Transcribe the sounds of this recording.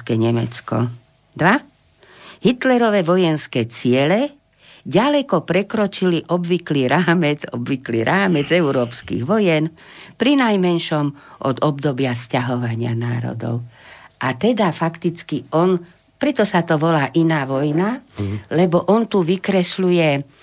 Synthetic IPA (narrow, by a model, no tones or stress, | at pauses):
kɛɲɛmɛ̰t͡skɔ̰ | d̪ʋa | ɦit̪lɛɾɔʋɛʋɔjɛnskɛːt͡sɪɛlɛ | ɟalɛkɔpɾɛkɾɔt͡ʃiliʔɔbʋikliɾaːmɛd͡zɔ̰bʋikliːɾʔaːmɛd͡zɛʊɾɔːpskḭɣʋɔjɛn | pɾinajmɛnʃɔmʔɔ̰d̪ɔbd̪ɔbɪascaɦɔʋaɲɪa̰naːɾɔ̰d̪ɔ̰ʊʔat̪ɛd̪afakt̪it͡skiɔn | pɾɛt̪ɔsat̪ɔʋɔlaːʔinaːʋɔjnalɛbɔʔɔnt̪uʋikɾɛslujɛ